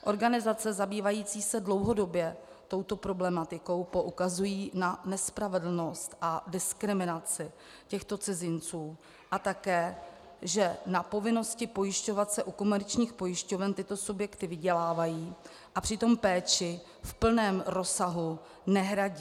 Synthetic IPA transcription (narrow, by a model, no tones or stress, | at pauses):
ʔo̞ɾɡanɪzat͡sɛzabiːvajiːt͡siːsɛdlo̞wɦo̞do̞bjɛ | t̪o̞wt̪o̞pɾo̞blɛmat̪ɪko̞wpo̞ʔukazujiːnanɛspɾavɛdl̩no̞st̪ʔadɪskɾɪmɪnat͡sɪ | cɛxt̪o̞t͡sɪzɪnt͡suː | ʔat̪akɛː | ʒɛnapo̞vɪno̞scɪpo̞jɪʃco̞vat̪sɛʔuko̞mɛɾt͡ʃɲiːxpo̞jɪʃco̞vɛnt̪ɪt̪o̞subjɛkt̪ɪvɪɟɛlaːvajiː | ʔapr̝̥ɪt̪o̞mpɛːt͡ʃɪ | fpl̩nɛːmɾo̞saɦu | nɛɦɾaɟi